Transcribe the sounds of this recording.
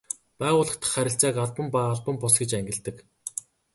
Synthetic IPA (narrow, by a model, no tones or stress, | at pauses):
pæːʁʊːɮə̆χt̪ʰə̥̆χːæɾʲɪ̆ɬt͡sæːkaɮpə̆mpaːɮpə̆mpʊsɡet͡ɕæŋɡʲɪ̆ɮt̪ɘ̆k